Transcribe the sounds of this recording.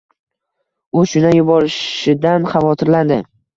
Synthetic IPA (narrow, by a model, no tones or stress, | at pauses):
ʊʃʊnajʊbɒɾɪʃɪd̪anχɑvɒt̪ʰɪɾland̪ɪ